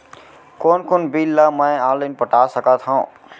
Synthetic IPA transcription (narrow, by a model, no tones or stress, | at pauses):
koːnkoːnbilːamə̃jaːlenpəʈasəkat̪ɦã